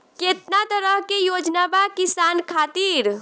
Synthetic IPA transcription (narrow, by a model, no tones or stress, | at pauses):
ket̪nat̪əɾəɦkejod͡ʒnabakisankʰat̪iɾ